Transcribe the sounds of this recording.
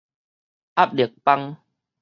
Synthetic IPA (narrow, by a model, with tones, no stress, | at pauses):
ʔa˦p̚li˨˩ək̚pa˦ŋ